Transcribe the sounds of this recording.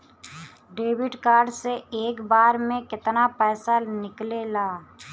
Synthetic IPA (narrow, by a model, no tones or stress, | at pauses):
ɖeːwɪɖkaːɾɖseeːkbaːɾmẽkɪt̪napɛːsanɪklelaː